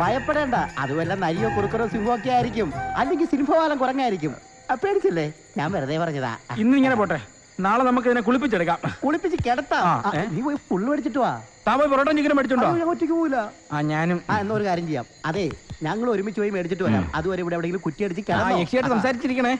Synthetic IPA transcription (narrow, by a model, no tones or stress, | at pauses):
bʱɐjɐpːeɽeːɳɖaɐ̰ðuʋɐlːɐnɐɾijokuɽukːɐrosimoːk̬ːijaːjiɾikʲːumɐlːeŋɡilsinifɐʋaːlɐmkurɐŋːaːjiɾikʲːum | peːɽit͡ɕːɐlːe̞ | ɲa̰ːnʋeɾɐðejpːɐrɐɲːɐða̰inːɨiŋːɐnepoːʈːe | naːɭenɐmːuk̬ːeɐðinek̬uɭip̬ːit͡ɕːeɽɐk̬ʲːaːmkuɭipːit͡ɕːɨkeɽɐt̪ːaːaːniːpojifuɭːʋeɽit͡ɕːiʈ̬ːuʋa̰t̪aːmpoːjiproːʈːɐmd͡ʑekːɐnɐmpeɽit͡ɕːuɳɖaaːŋkutːikʲːumoːilːɐaːɲaːnumenːɐoɾukaːɾjɐmt͡ɕejːa̰ːmɐðeɲɐŋːɐɭo̞ɾumit͡ɕːuʋɐjumeɽit͡ɕːiʈːɨʋɐɾa̰ːmɐ̰ðuʋɐɾeiʋiɽeɐʋiɽeŋɡilɨmkutːijeɽit͡ɕːɨkeɽɐt̪ːɐekʂijaːjʈːɨsɐmsaːɾit͡ɕːiɾikʲːɐɳɐ̃e